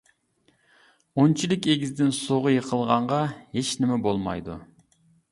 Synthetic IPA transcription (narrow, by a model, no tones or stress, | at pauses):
ont͡ʃʰilɪkʲeɡʲizd̪ɪnsoʁʊjəqʰəlˠʁɑɴʁɑheʃnɪmɛbolˠmɑ̰jd̪ṵ